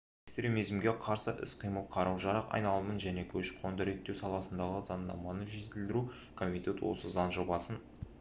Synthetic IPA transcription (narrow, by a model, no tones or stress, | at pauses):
ekst̪ɾe̞mijzmɡʲe̞qʰɑɾsəʔɪ̰sqʰijməlˠqʰɑɾɑwʒɑɾɑqɑ̰jnɑlˠəmənʒæne̞kʲʰɵʃɪ̥kqʰo̞nd̪əɾe̞t̪ːewsɑlˠɑsənd̪ɑʁəz̥ɑnd̪ɑ̰mɑnəʒe̞t̪ɪld̪ɪɾu | kʰomʲit̪ʲe̞t̪wo̰səzɑnʒo̞bɑsən